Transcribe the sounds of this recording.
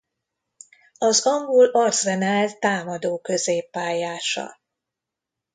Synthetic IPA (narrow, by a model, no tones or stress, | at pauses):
ɒzɒŋɡulɒrzɛnaːlt̪aːmɒd̪oːkø̞zeːpːaːjaːʃɒ̰